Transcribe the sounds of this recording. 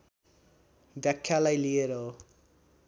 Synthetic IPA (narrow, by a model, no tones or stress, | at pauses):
d̪jakʰːalajlijeɾʌ